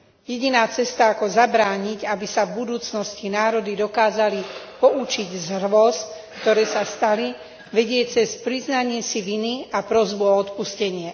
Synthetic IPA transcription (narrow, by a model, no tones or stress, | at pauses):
jɛɟinaːt͡sɛst̪aakɔzabɾaːɲiɟabisavbud̪uːt͡snɔscinaːɾɔd̪id̪ɔkaːzalipɔʔut͡ʃiɟzrʋɔskt̪ɔɾɛːsast̪ali | ʋɛɟɪɛt͡sɛspɾiznaɲɪɛsiʋiniapɾɔzbuɔɔt̪puscɛɲɪɛ